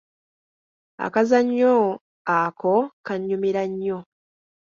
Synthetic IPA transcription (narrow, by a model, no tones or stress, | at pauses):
a̰kazaɲːo | akokaɲːumiɾaɲːo̞